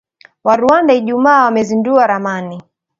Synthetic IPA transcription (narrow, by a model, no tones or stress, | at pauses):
waɾuandaiʄumaːwamɛzinduaɾamani